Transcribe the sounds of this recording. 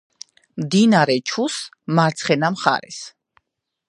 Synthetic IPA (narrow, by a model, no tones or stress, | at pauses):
md̪inaɾɛt͡ʃʰus | maɾt̪sʰχɛnamχa̰ɾɛ̰s